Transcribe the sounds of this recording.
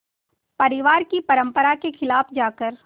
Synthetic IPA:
pɐɾɪʋaːɾkipɐɾə̃mpəɾakexʰɪlaːfd͡ʒaːkəɾ

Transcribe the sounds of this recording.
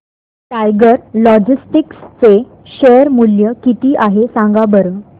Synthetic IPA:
ʈajɡəɾlɔd͡ʑisʈikst͡se | ɕejəɾmuljəkit̪iːʔaɦesãŋɡabəɾə

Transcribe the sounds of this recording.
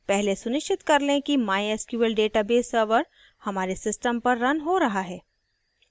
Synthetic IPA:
pɛɦlesʊnɪʃʈʰɪt̪kɐɾlẽkimaːjɛskjuːəlɖeːʈabeːsːəɾʋəɾ | hɐmaːɾesɪsʈəmpɐɾːɐnɦoɾɐɦaɦɛː

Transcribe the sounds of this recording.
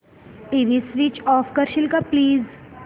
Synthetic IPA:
ʈiʋisʋiːt͡ʃɔːfkəɾʃɪlkapliːz

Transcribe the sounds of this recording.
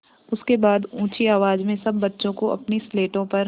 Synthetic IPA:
ʊskebaːd̪ũːt͡ʃiaːʋaːd͡ʒmẽsɐbːɐtːʃõkoʔɐ̰pnisleːʈõpɐɾ

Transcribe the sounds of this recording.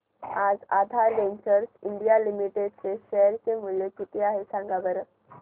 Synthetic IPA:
ad͡zad̪ʱaɾːeɲt͡ɕəɾsiɳɖijalimiʈeɖt͡seɕɛɾt͡semulek̪it̪ʰeaɦesãŋɡabəɾə

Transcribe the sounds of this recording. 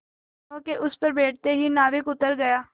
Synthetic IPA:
õːkeʔʊspəɾbeːʈ̚ʰt̪eːɦiːnaːʋɪkʊt̪ːəɾɡəjaː

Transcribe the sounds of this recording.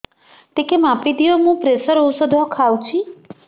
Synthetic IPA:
t̪ekemapid̪ijomũpɾesəɾowsɔd̪ʱɔkʰawt͡ʃʰi

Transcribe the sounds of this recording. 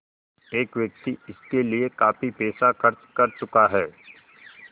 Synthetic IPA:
eːkʋjɐk̚t̪iɪskeliekaːfipeːsaxɐɾt͡ʃkɐɾt͡ʃʊkaɦɛː

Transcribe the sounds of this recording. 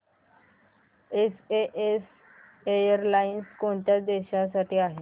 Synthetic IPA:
eseʔes | ejəɾlainskoɳt̪jad̪eɕãsaʈiːaɦe

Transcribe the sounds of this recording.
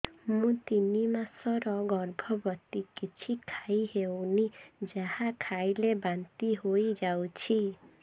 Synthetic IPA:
mũt̪inimasɔɾɔɡɔɾbʱɔbɔt̪ikit͡ʃʰikʰajɦewnid͡ʒahãkʰajlebant̪iɦojd͡ʒawt͡ʃʰi

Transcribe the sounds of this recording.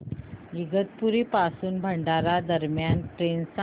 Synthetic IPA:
iɡət̪̚puɾiːpasuːnbʱəɳɖaɾad̪əɾmjanʈɾensa

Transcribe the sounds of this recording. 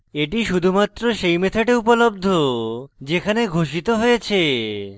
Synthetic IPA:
eʈiʃud̪ʱumat̪ːɾoʃejmet̪ʰaʈeupolob̚d̪ʱod͡ʑekʰaneɡʱoʃit̪oɦojet͡ɕʰe

